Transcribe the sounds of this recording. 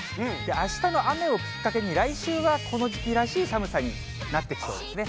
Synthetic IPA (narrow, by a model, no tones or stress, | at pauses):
d̪e̞ʔaɕi̥t̪ano̞ʔame̞o̞kʲi̥kːake̞ɲ̟iɾaiɕɨːβakʰo̞no̞ʑikʲiɾaɕiːsamɯ̟saɲ̟i | nat̪ːe̞kʲi̥so̞ːd̪e̞sɨne̞